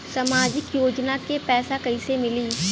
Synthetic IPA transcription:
sɐmaːd͡ʒɪkjoːd͡ʒnakepɛːsakəɪsemɪliː

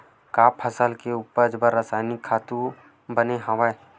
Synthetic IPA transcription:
kaːpʰəsəlkeuːpəɾd͡ʒbəɾːasaːɪnɪkʰːaːt̪u | bəneɦɐʋae

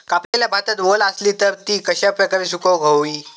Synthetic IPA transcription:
kapleljabʱat̪at̪ʋolasliːt̪əɾt̪iːkəɕapɾəkaɾiːsukəwɡʱəwʋiː

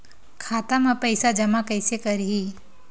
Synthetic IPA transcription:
kʰaːt̪amɐ̃pɐjɪsad͡ʒɐmakɐɪsekɐɾɦiː

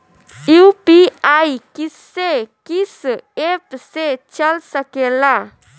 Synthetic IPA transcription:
jupiajkis | ekisepset͡ɕəlsəkela

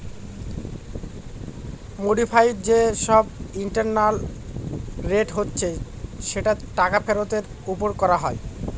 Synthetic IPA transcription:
moɖifʰajʈd͡ʑeʃɔbiɳʈaɾnal | ɾeʈɦotːɕʰe | ʃeʈaʈakapʰeɾot̪eɾ | upoɾkɔɾaɦɔe

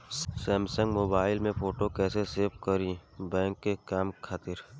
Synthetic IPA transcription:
sɛːmsə̃ŋɡmoːbaːɪlmẽpʰoːʈokɛːseseːpkəɾĩbɛ̃ːŋkːekaːmkʰaːt̪ɪɾ

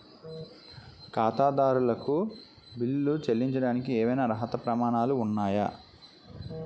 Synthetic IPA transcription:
kaːt̪aːd̪aːɾulɐku | bilːut͡ʃelːiɲt͡ʃɐɽaːnikiɛːmɐjnaːɾɐɦɐt̪ɐpɾɐmaːnaːluːnːaːjɐ

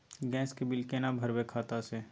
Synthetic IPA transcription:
ɡɛ̃ːskebɪlkenabʱəɾbekʰaːt̪ase

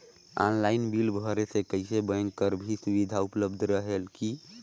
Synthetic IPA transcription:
a̰nlainbilbʱɔɾesekəɪsebəŋɡkəɾbʱisubid̪ʱaupləbd̪ʱɾəɦelki

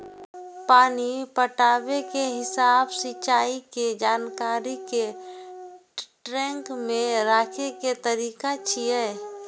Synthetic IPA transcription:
paːnipəʈaːbekeɦɪsaːbsɪt͡ʃaːiked͡ʒaːnkaːɾike | ʈɾɛ̃ːŋkmẽɾaːkʰeket̪əɾiːkat͡ʃʰijɛ

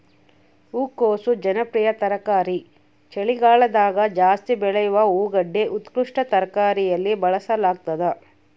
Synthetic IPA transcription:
uːkoːsud͡ʒɐnɐpɾijɐt̪ɐɾɐkaːɾi | t͡ʃeɭiɡaːɭɐd̪aːɡɐd͡ʒaːst̪ibɛɭɐjuʋɐuːɡɐɖːeʔut̪kɾuʂʈɐt̪ɐɾɐkaːɾijɐlːibɐɭɐsɐlaːɡ̚t̪ɐd̪ɐ

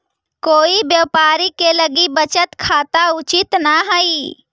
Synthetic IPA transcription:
koːibjəʋpaːɾikeləɡibət͡ʃət̪kʰaːt̪aʊt͡ʃɪt̪naɦəi

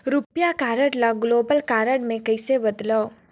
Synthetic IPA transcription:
ɾʊpjakaːɾəɽlaɡloːbəlkaːɾəɽmẽkɐɪsebɐd̪ləː

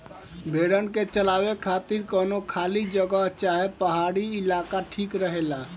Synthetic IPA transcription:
bʱeɽənket͡ʃəlabekʰat̪iɾkənokʰalid͡ʒəɡəɦt͡ʃaɦepəɦaɽiːlakaʈʰikɾəɦela

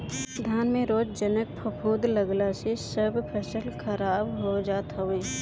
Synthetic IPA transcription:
d̪ʱaːnmẽɾoːd͡ʒd͡ʒənək̚pʰəpʰuːd̪ləɡlasesəbpʰesəlkʰɐɾaːbɦod͡ʒaːt̪ɦoʋẽː

